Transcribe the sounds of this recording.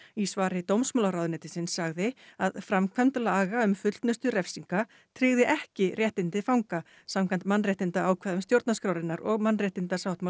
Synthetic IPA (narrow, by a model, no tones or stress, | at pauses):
isvaːɾɪt̪owmsmɔlaɾawðʏnɛːt̪ɪsɪnsːaɣðɪaðfɾamkʰant̪laːɣaʏmfʏl̥t̪nʏst̪ʏrɛfsiŋka | t̪ʰɾɪɣðɪʔɛhcɪrjɛht̪ɪnt̪ɪfawŋka | samkʰajn̥t̪manːrɛht̪ɪnt̪aaːwkʰvaːðʏmst̪jowɾt̪naskɾawɾɪnːaɾɔɣmanːrɛht̪ɪnt̪asawht̪ma